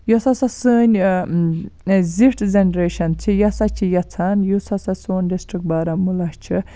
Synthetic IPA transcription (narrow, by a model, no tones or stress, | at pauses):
jɔsɐsɐsɨːnʲ | ziʈʰzenɾeːʃɐnt͡sʰijɐsat͡ʃʰijɐt͡sʰaːnjusɐsasoːnʲɖisʈɾik̚baːɾɐmulɐʃt͡ʃʰi